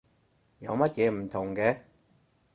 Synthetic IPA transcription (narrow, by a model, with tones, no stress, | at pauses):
jɐ̰˨˧wmɐ˥t̚jɛː˨˧m̩˨˩t̪ʰʊ˨˩ŋkɛː˧